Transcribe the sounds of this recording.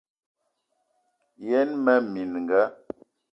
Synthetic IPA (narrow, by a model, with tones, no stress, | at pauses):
jɛ˦nmɛ˦mi˨nŋ˨ɡa˦